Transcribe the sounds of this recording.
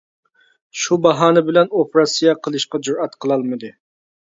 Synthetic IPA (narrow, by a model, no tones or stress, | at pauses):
ʃubɑɦɑːnɪbɪlɛnopɾɑsijɑqʰəlˠɨʃqɑd͡ʒuɾɛt̪qʰəlˠɑlˠmɨd̪ɨ